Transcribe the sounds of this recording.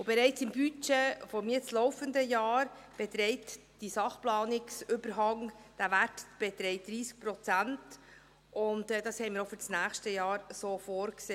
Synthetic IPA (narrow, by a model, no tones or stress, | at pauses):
ʊbɛɾɛɪt͡sɪmbyt͡ʃefɔmiːət͡slɔʊfəndəjɑːɾb̥ɛt̪ɾɛɪt | d̥isɑχplɑːnɪksʏbəɾɦɑŋd̥ævætb̥ɛtɾɛɪt̚d̥̪ɾiːsk̚pɾɔt͡sænt | ʊntɛd̥ɑshɛɪmiːɾofyɾt͡snæːχʃtəjɑːɾsoːfoːɾkseː